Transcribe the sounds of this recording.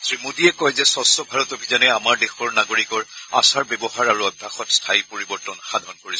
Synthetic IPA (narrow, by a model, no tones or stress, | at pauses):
sɹimudiɛkɔjzɛsɔsɔbʱaɹɔtobʱizanɛamaɹdexɔɹnaɡoɹikɔɹa̰saɹbɛbɔɦaɹaɹuɔdʱaxɔtstʰajpoɹibɔɹtɔnxadʱɔnkoɹisɔ